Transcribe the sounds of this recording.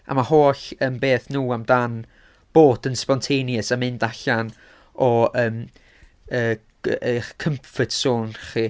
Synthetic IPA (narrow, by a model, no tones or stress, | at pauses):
a̰mahoːɬəmbeːθnuːamdan | b̥oːdənspɔntʰejnjəsamɨndaɬan | ɔəːm | əː | əkʰəmfədsoːnχi